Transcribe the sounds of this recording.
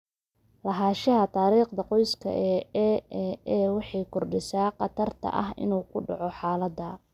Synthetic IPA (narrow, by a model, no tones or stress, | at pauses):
lɐɦaːʃɐɦɐt̪ʰaːɾiːqd̪ɐqɔjskʰɐ̰ʔɛɛɛːwɑħɑjkʰɔrɖɪsaːqɑt̪ʰɐrt̪ʰɐ̰ʔɐɦɪ̰nuːkʰʊɖɑʕɔħɑːlɐd̪ɐ